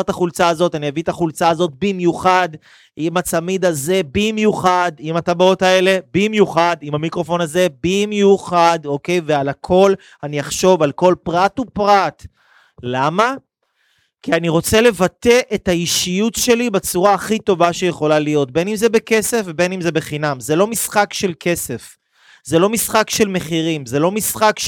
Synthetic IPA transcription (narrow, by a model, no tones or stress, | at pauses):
ʁt̪aχult͡saːzo̞tanievit̪aχult͡saːzo̞t̪̚bimjuχad | imat͡samid̪aze̞bimjuχadimat̪abao̞tae̞le̞bimjuχadimamikʁo̞fo̞naze̞bimjuχado̞ke̞jvealakʰo̞l | anijaχʃo̞valko̞lpʁatupʁat | lama | kianiʁo̞t͡se̞le̞vat̪e̞ʔethaiʃijutʃe̞libet͡suʁaːχito̞vaʃejeχo̞lalijo̞t̚be̞nimzebeke̞se̞fvebe̞nimzebe̞χinamzelo̞misχakʃe̞lke̞se̞f | ze̞lo̞misχakʃe̞lme̞χiʁimzelo̞misχak